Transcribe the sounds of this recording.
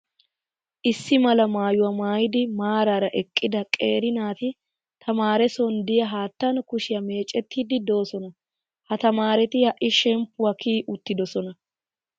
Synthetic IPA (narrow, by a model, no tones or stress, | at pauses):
ʔɪsːɪmɐlɐmaːjʊwɐmaːjɪd̪ɪmaːɾaːɾɐʔɛkʼːɪd̪ɐkʼeːɾɪnaːt̪ɪ | t̪ʰɐmaːɾɛsɔnd̪ɪjɐɦaːt̪ːɐnkʊʃɪjɐme̞ːt͡ʃʼːɛt̪ʰːiːd̪ɪd̪o̞ːsɔnɐ | hɐt̪ɐmaːɾɛt̪ɪjɐʔɪʃɛmpːʊwɐkiːʔʊt̪ːɪd̪ɔsɔnɐ